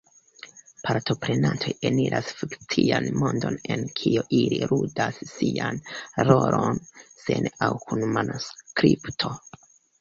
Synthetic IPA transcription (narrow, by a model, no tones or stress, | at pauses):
pʰaɾto̞pɾe̞nantʰo̞jeniɾʔasfikt͡sianmo̞ndo̞ne̞nkʰioʔiliɾudasːianɾo̞ɾonse̞nawkʰunmanoskɾiptʰo̞